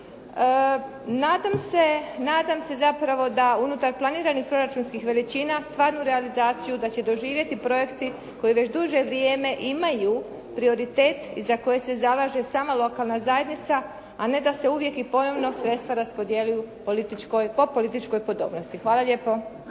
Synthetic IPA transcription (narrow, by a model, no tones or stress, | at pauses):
naːd̪amse̞naːd̪amse̞zapɾaʋo̞d̪aunut̪aɾplˠaniːɾanixpɾo̞ɾat͡ʃuːnskixʋe̞lit͡ɕiːnast̪ʋaːɾnuɾe̞alizaːt̪sijud̪at͡ɕe̞d̪o̞ʒiːʋje̞t̪ipɾo̞je̞kt̪i | ko̞jiʋe̞t͡ɕd̪uʒe̞ʋɾijeːme̞ʔimaju | pɾio̞ɾit̪eːt̪ḭzako̞je̞se̞zalaʒe̞saːmalˠo̞kaːlˠnazajed̪nit̪saː | ne̞d̪ase̞uʋje̞kipo̞no̞ʋno̞sɾet̪st̪ʋaɾaspo̞d̪je̞lujupolit̪it͡ʃkojpopo̞lit̪it͡ʃko̞jpo̞d̪o̞̰ːbno̞st̪ixʋaːlˠaʎʲe̞ːpo̞